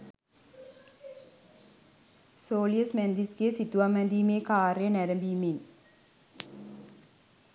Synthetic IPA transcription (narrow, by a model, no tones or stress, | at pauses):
soːlijɐsmend̪iskesit̪ːuʋamɐnd̪iːmeːkaːrjɐnɛɾɐmb̪iːmeːn